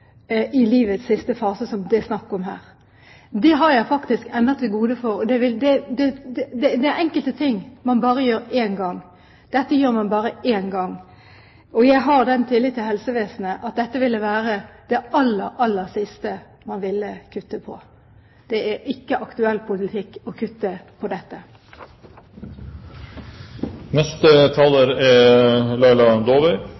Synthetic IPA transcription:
ʔɪliːʋət̪ssɪst̪əfɑːsəsɔmd̪ɛsnɑkːɔmɦæ̰ːɾ | d̪ɛɦɑɾjæɪfɑkt̪ɪskɛnd̪ət̪ʰːɪlɡuːd̪əfɔɾɔd̪ɛʋɪld̪ɛd̪ɛd̪ɛd̪ɛd̪ɛæɾɛŋkəlt̪ət̪ʰɪŋːmɑnbɑːɾəjøːɾeːnɡɑŋ | d̪̥ɛt̪ːəjøːɾmɑnbɑːɾəeːnɡɑŋ | ɔjæɪɦɑɾd̪ɛnt̪ʰɪlːɪd̪t̪ːɪlɦɛlsəʋeːsn̩əʔɑt̪̚d̪ɛt̪ːəʋɪlːəʋæːɾəd̪̥ɛɑlːəɾɑlːəɾsɪst̪ə | mɑnʋɪlːəkʰʉt̪ːəpʰɔ̰ | d̪̥ɛʔæɾɪkːəʔɑkt̪ʉɛlːpʰʊlɪt̪ʰɪkːɔkʰʉt̪ːəpʰɔd̪ɛt̪ːə | nɛst̪ət̪ʰɑːləɾɛlɑɪlɑd̪oːʋɛɪ

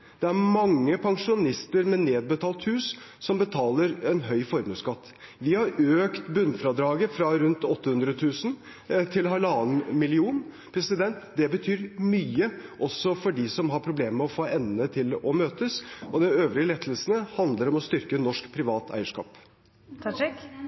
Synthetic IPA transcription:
d̪̥ɛæɾmɑŋːəpʰɑŋʂʊnɪst̪əɾmɛneːd̪̚bət̪ʰɑːlt̪hʉːs | sɔmbət̪ʰɑːləɾɛnɦœʏfɔɾmʉːskɑt̪ːʋɪhɑɾøːkt̪bʉnːfɾɑd̪ɾɑːɡəfɾɑɾʉnt̪ɔt̪ːəhʉnd̪ɾət̪ʰʉːsn̩ | t̪ʰɪlhɑɭɑːnmɪlɪuːn | pʰɾɛsɪd̪ɛnt̪d̪ɛbət̪ʰyːɾmyːəʔɔsɔfɔɖɪsɔmɦɑɾpʰɾʊbleːmmɛɔfoːʔɛnət̪ʰɪlɔmøːt̪əsʔɔd̪ɛnøːʋɾɪəlɛt̪ʰːəl̩sn̩əhɑnd̪ləɾɔmɔst̪ʏɾkənɔʂkpʰɾɪʋɑːt̪ʰæ̰ɪəʂkɑ̰ːp̪ʰ

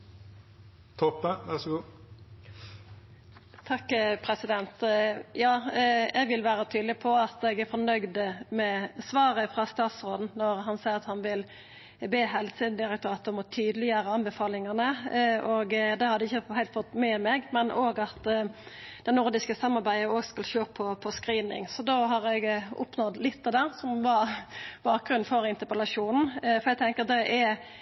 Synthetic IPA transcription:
t̪ʰɔpːəʋæʁsɡuː | t̪ʰɑkːpʰɾɛsɪd̪ɛnt̪jɑːɛɡʋɪlʋæːɾət̪ʰyːd̪lɪpʰɔɑt̪ɛɡæfɔnœɡd̪mɛsʋɑːʁəfʁɑst̪ɑːt̪sʁoːd̪n̩nɔɾɦɑnsæɪəʁɑt̪hɑnʋɪl | beːɦɛlsəd̪ɪʁək̚t̪ʰɑːt̪ɔmɔt̪ʰyːd̪əlɪjøːɾəɑnbəfɑːlɪŋənəʔoːɡd̪ɛhɑɾd̪əɪçːəhæɪlt̪fɔt̪ːmɛmɛɡmɛnʔoːɡɑt̪ | d̪ɛnʊɾd̪ɪskəsɑmːɑɾbæɪəoːɡskɑlʃøːpʰɔpʰɔskɾiːnɪ̰ŋsɔd̪oɦɑɾɛɡʊ̰pnɔd̪lɪt̪ːɛd̪ɛːʁsɔmʋɑb̥ɑːk̚ɡɾʉnfɔɾɪnt̪əpəlɑʂuːnn̩fɔɾɛɡt̪ʰɛŋkəd̪ɛʔæ

